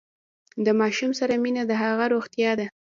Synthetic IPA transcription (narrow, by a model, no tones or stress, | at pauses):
d̪əmɑʃumsaɾaminad̪əɦaɣaɾoɣt̪jɑd̪a